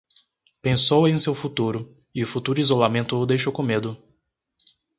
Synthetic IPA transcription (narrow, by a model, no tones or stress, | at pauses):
pẽsowẽj̃sewfut̪uɾʊ | ɪʊfut̪uɾʊizolamẽnt̪ʊːd̪ejʃowkõmed̪ʊ